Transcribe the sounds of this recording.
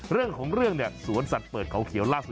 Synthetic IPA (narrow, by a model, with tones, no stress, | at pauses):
ɾɯ˥˩əŋkʰɔː˩˦ŋɾɯ˥˩əŋni˥˩əsuː˨˩˦ənsa˨˩t̪̚pɤː˨˩t̪̚kʰa˨˩˦wkʰi˨˩˦əwlaː˥˩su˨˩